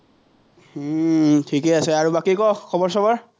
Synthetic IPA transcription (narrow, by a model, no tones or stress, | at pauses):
tʰikɛasɛaɹubakikɔkkʰːɔbɔɹsɔbɔɹ